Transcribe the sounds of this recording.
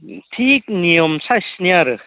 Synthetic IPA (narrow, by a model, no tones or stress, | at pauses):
t̪ʰik̚niɔmsʰasnaɾɯ